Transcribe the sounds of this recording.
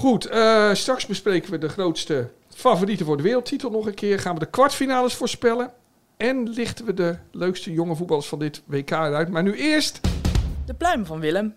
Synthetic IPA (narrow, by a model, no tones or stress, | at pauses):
χutəstrɑksbəsprejkənʋədəχrowtstə | faːvoritəvʊːɹdəʋɪːrəl̩ˠtʰitəlˠnɔχənkʰɪːrχaːnʋədəkʋɑɹtfinaːləsfʊːɹspɛlə | ɛnlɪχtənʋədəløɥkstəjoŋəvut̚bɑlˠəsfɑndɪtʋejkaːərœɥtmaːɹnyɪːɹstd̥əplœɥmvɑnʋɪləm